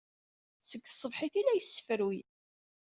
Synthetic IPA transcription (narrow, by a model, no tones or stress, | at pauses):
səɡːsˤːəvħiθilæjəsːə̥fəɾwij